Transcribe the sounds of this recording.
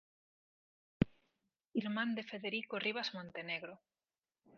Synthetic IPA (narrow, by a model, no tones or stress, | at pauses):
iɾmãnd̪efeðeɾikoriβazmõnt̪e̞neɣɾo